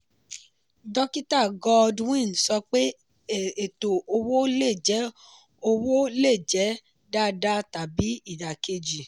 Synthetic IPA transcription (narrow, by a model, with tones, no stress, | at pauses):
dɔ˦ki˦ta˦˨ɡɔ˧dwĩ˦˨n˨sɔ˧k͡pe˦ | e˨to˨o˧wo˦le˦˨d͡ʒɛ˨˦ | o˧wo˦le˦˨d͡ʒɛ˨˦ | da˦da˦ta˨bi˨˦i˦˨da˨ke˧d͡ʒi˨